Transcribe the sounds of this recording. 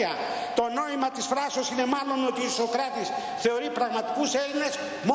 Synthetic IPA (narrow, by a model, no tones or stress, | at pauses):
ɐ | t̪o̞no̞imɐt̪isfɾɐsosine̞mɐlo̞not̪iːso̞kɾɐt̪is | θe̞o̞ɾipɾɐɣmɐt̪i̥kuse̞line̞s | mo